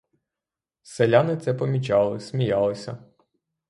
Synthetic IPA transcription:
selʲanɪt̪sɛpɔmʲit͡ʃɑlˠɪsʲmʲijɑlˠɪsʲɐ

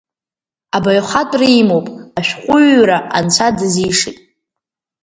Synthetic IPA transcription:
abaɥχatʼrijmowpʼaʃᶣqʷʼʊɥɾaʔant͡sʷʰadɨzijʂɨtʼ

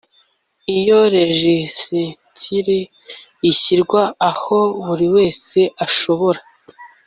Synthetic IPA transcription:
ijo̞ɾe̞ʒisitʰiɾi | içiɾɡwaːho̞βuɾiwe̞ːse̞ʔaʃo̞βo̞ɾa

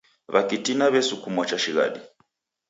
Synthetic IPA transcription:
βakitinaβɛsukumɔt͡ʃaʃiɣa̰ɗi

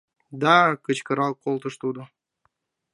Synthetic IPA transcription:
d̪ɑkə̆t͡ɕkɤ̆ɾɑlˠkolˠt̪ɤʃt̪ud̪o

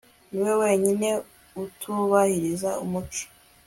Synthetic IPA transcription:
niwe̞weːɲine̞ | utʰuβahiɾizaumut͡ʃi̥

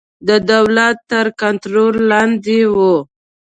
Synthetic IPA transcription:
d̪əd̪awlat̪ːəɾkant̪ɾolːɑnd̪iwu

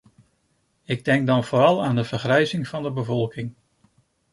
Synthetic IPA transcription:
ɪɡ̚dɛŋɡ̚dɑnv̥ʊːɾɑlˠaːndəv̥əɹχrɛjzɪŋv̥ɑndəbəvɔlˠkɪŋ

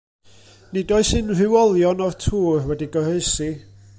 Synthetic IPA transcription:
nidoɨsɨnr̥ɪwɔlˠjɔnɔrtʰuːrwɛdiɡɔɾeɨsi

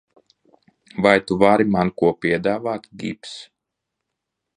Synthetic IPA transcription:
vajt̪uvaɾimankuɔpʲiɛd̪aːvaːt̪ɡḭps

